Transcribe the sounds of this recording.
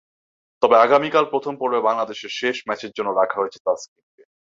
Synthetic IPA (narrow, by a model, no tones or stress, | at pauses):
t̪ɔbeaɡamikalpɾot̪ʰompoɾbebaŋlad̪eʃeɾʃeʃmɛt͡ɕeɾd͡ʑonːoɾakʰaɦoet͡ɕʰe̥t̪askike